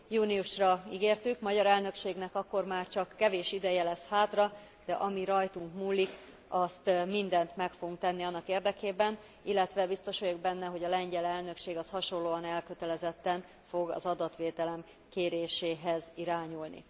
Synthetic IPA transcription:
juːniuʃrɒiɡeːrt̪ykmɒɟɒɾɛlnø̞kʃeːɡnɛkɒkːo̞rmaːrt͡ʃɒkːɛveːʃid̪ɛjɛlɛshaːt̪rɒ | d̪̥ɛʔɒmiɾɒjt̪uŋkmuːlːik | ɒst̪mind̪ɛnt̪mɛkfo̞ɡuŋkt̪ɛnːiɒnːɒkeːrd̪ɛkeːbɛn | ilːɛt̪ʋɛbist̪o̞ʃojoɡ̚bɛnːɛɦo̞ɟɒlɛɲɟɛlɛlnø̞kʃeːɡɒshɒʃo̞nlːoːɒnɛlkø̞t̪ɛlɛzɛt̪ːɛn | fo̞ɡɒ̰zɒd̪ɒt̪ʋeːt̪ɛlɛm | keːɾeːʃeːɦɛziɾaːɲulnḭ

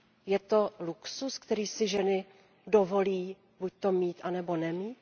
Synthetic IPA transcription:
jɛt̪o̞luksuskt̪ɛɾiːsɪʒɛnɪ | do̞vo̞liː | buc̚t̪o̞miːt̪ʔanɛbo̞nɛmiːt̪

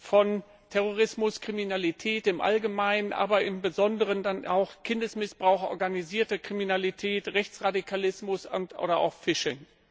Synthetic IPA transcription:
fɔn | tʰɛʁoʁɪsmʊskʁ̥iminalitʰɛːtɪmʔa̰lɡəmaɪnənʔa̰ːbɐʔɪmbəzɔndəʁəndanʔa̰ʊxkʰɪndəsmɪsb̥ʁaʊxʔɔ̰ɐɡaniziːɐtəkʁ̥iminalitʰɛːtʁɛçt͡sʁadikʰalɪsmʊsʊ̰ntʔo̰ːɾɐʔa̰ʊxfɪʃɪŋ

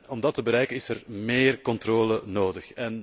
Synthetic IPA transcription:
ɔmdɑtəbəɾɛjkənɪsərmeːrkɔntroːlənoːdəxɛn

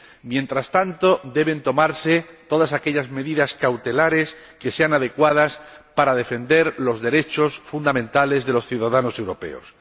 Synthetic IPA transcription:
mjẽ̞nt̪ɾast̪ant̪o̞d̪e̞βe̞nt̪o̞maɾse̞t̪o̞ðasake̞ʎazme̞ðiðaskawt̪e̞laɾe̞s | ke̞se̞anaðe̞kwað̞aspaɾað̞e̞fend̪e̞ɾlo̞zðe̞ɾe̞t͡ʃo̞sfund̪amẽnt̪ale̞zðe̞lo̞sθjuðaðano̞se̞wɾo̞pe̞̰o̞̰s

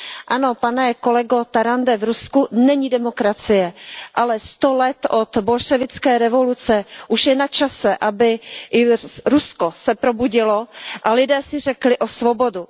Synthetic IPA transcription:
ʔano̞panɛko̞lɛɡo̞t̪aɾandɛvɾuskunɛɲidɛmo̞kɾat͡sɪjɛʔalɛst̪olɛt̪ʔo̞t̪bo̞lʃɛvɪt͡skɛːɾɛvo̞lut͡sɛʔuʃjɛnat͡ʃasɛʔabɪʔɪɾusko̞sɛpɾobuɟɪlo̞ʔalɪdɛːsɪr̝ɛklɪʔo̞svo̞bo̞du

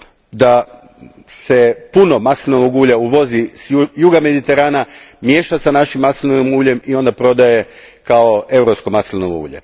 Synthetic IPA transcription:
d̪a | se̞punomasilnoʋoɡuːʎauʋo̞zisjuɡame̞d̪it̪e̞ɾaːna | mje̞ːʃasanaʃimːasilnoomuːʎe̞mio̞nd̪apɾo̞d̪aje̞kaoe̞vɾopsko̞maslnoʋoṵːʎḛ

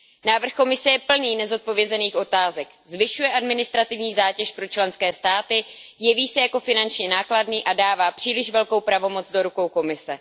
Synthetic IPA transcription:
naːvr̩xko̞mɪsɛjɛpl̩niːnɛzo̞t̪̚po̞vjɛzɛniːxʔo̞t̪aːzɛk | zvɪʃujɛʔadmɪnɪst̪ɾat̪ɪvɲiːzaːcɛʃpɾo̞t͡ʃlɛnskɛːst̪aːt̪ɪjɛviːsɛjako̞fɪnant͡ʃɲɛnaːkladniːʔadaːvaːpr̥iːlɪʃvɛlkowpɾavo̞mo̞t͡sdo̞ɾuko̞wko̞mɪsɛ

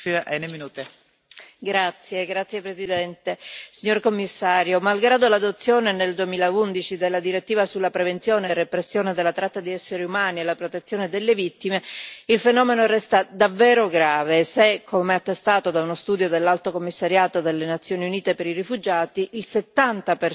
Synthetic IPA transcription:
aneminuːt̪e | ɡɾat̪sːjeɡɾat̪sːjepɾezid̪ɛnt̪esiɲːorkomːisːaːɾjomalɡɾaːd̪olad̪ot̪sːjoːneneld̪uemiːlaund̪it͡ʃid̪elːad̪iɾet̪ːiːvasulːapɾevent̪sjoːnerepɾesːjoːned̪elːat̪ɾat̪ːad̪iɛsːeɾiumaːnielːapɾot̪et̪sːjoːned̪elːevit̪ːimeilfenɔːmenorɛst̪ad̪avːɛːɾoɡɾaːvesekʰːomɛat̪ːest̪aːt̪od̪aunost̪uːd̪jod̪elːalt̪okomːisːaɾjaːt̪od̪elːenat̪sːjoːniuniːt̪epeɾirifud͡ʒaːt̪iʔilset̪ːant̪aper

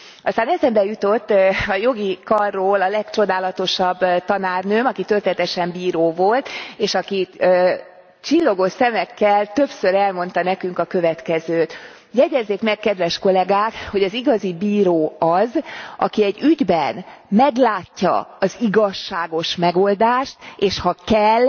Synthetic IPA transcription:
ɒst̪aːnɛzɛmbɛjut̪o̞t̪ːɒjo̞ɡikɒrːoːlɒlɛkt͡ʃo̞d̪aːlɒt̪o̞ʃɒbːt̪ɒnaːrnøːmɒkit̪ølt̪ɛnɛt̪ɛʃɛmbiːɾoːvo̞lt̪eːʃɒkiø | t͡ʃilːo̞ɡosɛmɛkːɛlt̪ø̞psøɾɛlmo̞nt̪ɒnɛkyŋkɒkø̞vɛt̪kɛzøːt̪ | jɛɟɛzːeːkmɛkkɛd̪ʋɛʃko̞lɛɡaːkho̞ɟɒziɡɒzibiːɾoːɒzʔɒ̰kiɛɟːyɟbɛnmɛɡlaːcːɒ̰ɒziɡɒʃːaːɡo̞ʃmɛɡo̞ld̪aːʃt̪eːʃhɒkɛl

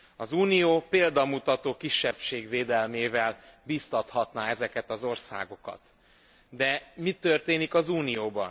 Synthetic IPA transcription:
ɒzuːnijoːpeːld̪ɒmut̪ɒt̪oːkiʃːɛpʃeːɡveːd̪ɛlmeːvɛlbiːst̪ɒt̪hɒt̪naɛzɛkɛt̪ɒzo̞rsa̰ːɡo̞kɒ̰t̪ | d̪ɛmit̪ːørt̪eːnikɒzuːnijoːbɒ̰n

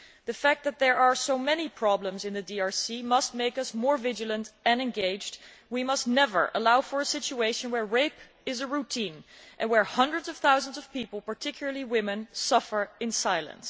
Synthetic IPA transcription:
ðɨfæk̚t̪̚ðɨt̪̚ðə˞ʔaɹsoʊmɛnipʰɹ̥ɑblə̃mzɨ̃nðɨdiɑɹsimʌst̚meɪkʌsmɔɹvɪd͡ʒɨlˠə̃ntɨ̃nɨ̃nɡeɪd͡ʒd | wimʌstnɛvə̰˞ʔə̰laʊfə˞ɨsɪt͡ʃueɪʃɨ̃nwə˞ɹeɪp | ɨzɨɹutʰĩnʔnwə˞hʌ̃ndɹɨdzʌv̥θaʊzə̃nzʌv̥pipl̩ˠpə˞tʰɪkʰjl̩ˠə˞lˠiwɪ̃mɨ̃nsʌfə˞ɨ̃nsaɪlˠə̰̃ns

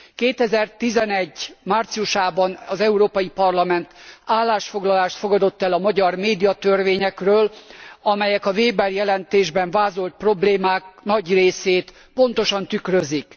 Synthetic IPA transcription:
keːt̪ɛzɛrt̪izɛnɛɟːmaːrt̪sijuʃaːbɒnɒzɛuɾoːpɒjipɒrlɒmɛnt̪aːlːaːʃfo̞ɡlɒlaːʃt̪fo̞ɡɒd̪o̞t̪ːɛlɒmɒɟɒrmeːd̪ijɒt̪ørveːɲɛkrøːlɒmɛjɛkɒveːbɛrjɛlɛnt̪eːʒbɛɱvaːzo̞lt̪̚pro̞bleːmaːknɒɟreːseːt̪ | po̞n̪t̪o̞ʃɒnt̪ykrøzik

